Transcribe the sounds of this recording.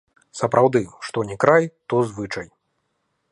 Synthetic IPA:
sɐpɾʔawd̪ɨʂt̪ɔnʲɛkɾajt̪ɔzvɨt͡ʂɐj

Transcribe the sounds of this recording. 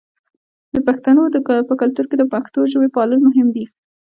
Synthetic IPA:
d̪əpaxt̪anod̪əpəkalt̪uɾked̪əpaxt̪oʒəwepɑləlmʊɦɪmd̪i

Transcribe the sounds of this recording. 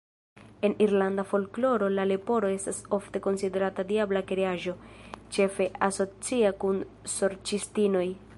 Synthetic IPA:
e̞niɾlandafo̞lklo̞ɾo̞lalepo̞ɾo̞e̞staso̞fte̞ko̞nside̞ɾatadiablakɾeaʒo̞t͡ʃe̞fe̞ʔaso̞t͡siakun | so̞ɾt͡ʃistino̞j

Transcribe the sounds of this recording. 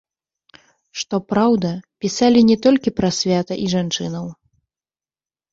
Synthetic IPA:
ʂt̪ɔpɾawd̪ɐpʲisalʲinʲɛt̪ɔlʲkʲipɾɐsʲvʲat̪ɐʔiʐant͡ʂɨnɐw

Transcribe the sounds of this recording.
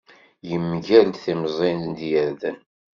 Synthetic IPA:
jəmːʝælt̪θimzˤind̪jæɾðən

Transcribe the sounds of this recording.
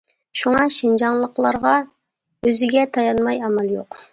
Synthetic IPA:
ʃuŋɑʃind͡ʒɑŋlˠəqlˠɑɾʁɑ | øzɪɡʲɛt̪ʰɑjɑnmɑjɑmɑlˠjoq

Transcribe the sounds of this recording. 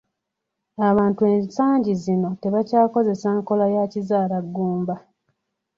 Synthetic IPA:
aβaːntue̞ːnsaːɲɟizino̞te̞βacaːko̞ze̞saːŋko̞lajacizaːlaɡːuːmba

